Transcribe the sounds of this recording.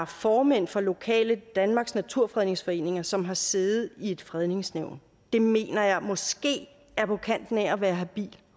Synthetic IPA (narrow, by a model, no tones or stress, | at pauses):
fɒːmen̰fɒlo̝kʰɛ̰ːləd̥ænmɑ̈ːɡ̥snæt͡sʰuɐ̰fʁɛðˠne̝ŋsfɒ̽e̝̰ːne̝ŋɐsɒ̽mɦɑ̈se̝ːðð̩ˠie̝d̥fʁɛð̞ˠne̝ŋsneʊ̰n | d̥e̝me̝̰ːnɐjɑ̈ɪmɒ̽sɡ̥e̝̰ː | æɐpʰɒ̽kʰæn̰d̥n̩æɒʋæːɐɦæb̥ḭːl